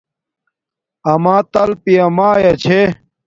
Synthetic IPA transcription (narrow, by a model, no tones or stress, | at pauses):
ɐmãːt̪ɐlpiɐmaːjɐt͡ɕʰe